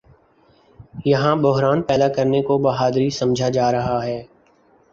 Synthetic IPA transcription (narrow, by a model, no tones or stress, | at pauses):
jɐɦãbʊɦɾaːnpɛːd̪akɐɾnekobɐɦaːd̪ɾisɐ̃md͡ʒʱad͡ʒaːɾɐɦaɦɛː